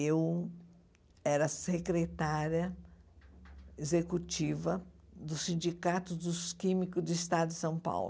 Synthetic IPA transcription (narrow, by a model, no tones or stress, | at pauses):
ew | ɛɾɐsekɾet̪aɾjɐ | ezekut͡ʃivɐ | d̪ʊsĩd͡ʒikat̪ʊd̪ʊskĩmikʊd͡ʒ̪ɪist̪ad̪ʊɪsɐ̃w̃pa̰wl